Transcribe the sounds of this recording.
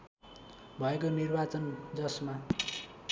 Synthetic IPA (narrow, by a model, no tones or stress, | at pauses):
bʱʌekonirbat͡sʌnd͡zʌsma